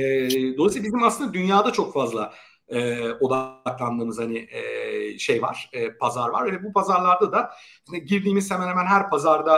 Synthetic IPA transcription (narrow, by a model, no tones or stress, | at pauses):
ɛːd̪o̞lˠasiːbizimasɯnd̪ad̪ynjaːd̪at͡ʃʰo̞kfazlˠa | ɛːo̞d̪aklˠand̪ɯːmɯz̥hanɪɛːʃejva̰ɾ̥ɛːpʰazaɾva̰ɾeɛbupʰazaɾlˠaɾd̪ad̪aʃinɛɟiɾd̪iːmiz̥hemɛnhemænɦæɾpʰazaɾd̪a